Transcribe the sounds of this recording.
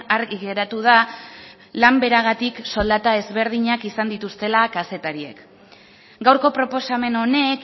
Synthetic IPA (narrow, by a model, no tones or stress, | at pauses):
aɾɣiɣe̞ɾat̪uð̞a | lambe̞ɾaɣ̞at̪ikso̞ld̪at̪ae̞zβe̞ɾðiɲakisand̪it̪ust̪e̞lakase̞t̪aɾie̞̰k | ɡawɾko̞pɾo̞po̞same̞no̞ne̞k